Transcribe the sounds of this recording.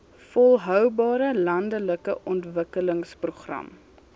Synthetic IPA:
fɔlˠɦœwbɑːɾəlɐndələkəʔɔntvəkələŋspruχrɐ̰m

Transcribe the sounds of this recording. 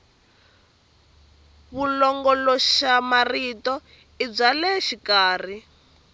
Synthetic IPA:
βulɔŋɡɔlɔʃamaritɔ | ib͡ʐalɛʃikaːr̤i

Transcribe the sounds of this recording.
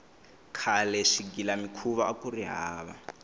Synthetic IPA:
kʰalɛʂiɡilamikʰuβaakuriɦaaːβa̰

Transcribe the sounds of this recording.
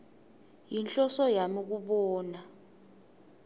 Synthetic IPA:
jinɬʼɔsɔjamik̬uɓɔːna

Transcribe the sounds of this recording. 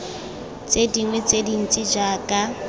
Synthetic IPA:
t͡sʼediŋwɛt͡sʼedin̩t͡sʼɪd͡ʒakʼa

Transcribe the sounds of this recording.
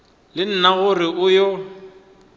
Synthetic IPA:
lɪn̩naɣʊrɪʊjɔ

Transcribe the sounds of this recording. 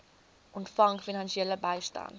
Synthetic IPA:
ʔʊntfaŋkfinansjɛləbaɪʃta̰n

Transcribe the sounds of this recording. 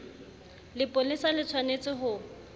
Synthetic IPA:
lɪpʼolɪsalɪt͡sʰwanet͡sʼɪɦʊ

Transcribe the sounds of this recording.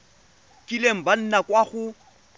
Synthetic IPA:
kʼilem̩ban̩nakʼwaɣʊ

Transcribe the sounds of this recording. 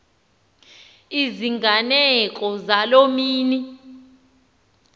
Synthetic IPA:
iziŋʱanɛk̬ʼɔzalomiːni

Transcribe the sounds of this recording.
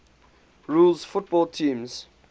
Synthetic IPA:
ɹulzfʊt̚bɔltʰĩːmz̥

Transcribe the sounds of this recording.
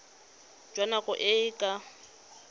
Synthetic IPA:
d͡ʒwanaɣʊʔɪɪkʼa

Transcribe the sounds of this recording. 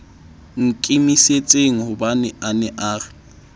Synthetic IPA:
ŋ̩kʼimiset͡sʼeŋ̩hʊbanɛʔanɛʔaːrɪ

